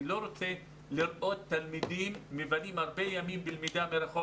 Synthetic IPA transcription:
lo̞ɾot͡se | liɾʔo̞t̪ːalmid̪imːevanimhaʁbejamimbilmid̪ameɾaχo

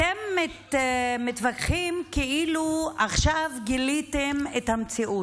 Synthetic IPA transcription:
emːetmetvakχimkeʔiluaχʃavɡilitemethamt͡siʔu

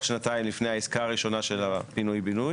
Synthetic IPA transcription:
ʃnat̪aimlifnejhaiskaːʁiʃo̞naʃelabinujbinuj

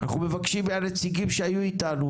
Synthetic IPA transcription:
ana̰χume̞vakʃimbeannet͡siɡimʃeajuit̪anu

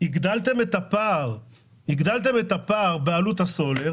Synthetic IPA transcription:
iɡd̪alt̪e̞met̪apaʁ | hiɡd̪alt̪e̞met̪apaːʁbealut̪haso̞le̞ʁ

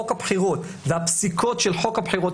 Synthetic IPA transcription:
okhabħiʁot | veapsikotʃelħo̞khabħiʁot

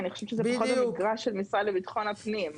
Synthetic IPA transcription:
aniχoʃɛvʃezɛpaχot̪aiɡʁaʃːelmisʁalːebit̪χo̞napnim

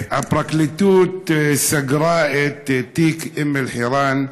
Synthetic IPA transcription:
ʔabɾˤɑklit̪uːt̪saɡɾˤaːʔet̪t̪ːiːkʔɪmːɪlħiːɾaːn

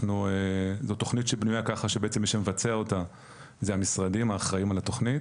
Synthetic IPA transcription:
nuezo̞t̪ːo̞χnitʃebnujakaχaʃebeet͡se̞mːiʃemevat͡seao̞ta | zeamisʁadimaːχʁaimalato̞χnit

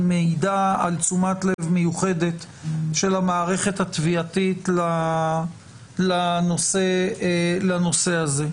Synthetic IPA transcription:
meidaalt͡sumatlevmejuχe̞de̞t | ʃe̞lamaːʁe̞χe̞t̪hat̪viat̪itla | lano̞se̞ | lano̞se̞aze̞

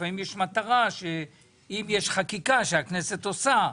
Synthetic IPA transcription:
aimjeʃmat̪aʁaʃe | imjeʃχakikaʃeakneset̪osa

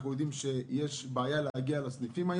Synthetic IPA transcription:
χnujod̪imʃejeʃbeajaleaɡialasnifimaj

